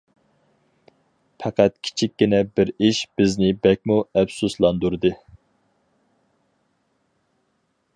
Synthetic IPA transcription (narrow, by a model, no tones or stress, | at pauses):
pʰæqʰæt̪̚kʲʰi̥t͡ʃʰikʲːinɛbɪɾiʃb̥ɪznɪbɛk̚ʲmuɛpsuslˠɑnd̪uɾɨd̪ɨ